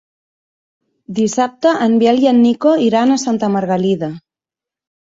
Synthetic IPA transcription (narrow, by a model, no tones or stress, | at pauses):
d̪isap̚t̪əʔːmbjɛljanːikoiɾanasant̪əməɾɣaliða